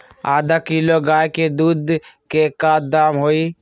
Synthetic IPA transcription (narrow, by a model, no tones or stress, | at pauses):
aːd̪aːkiːloːɡaːjked̪uːd̪kekaːd̪aːmɦoːiː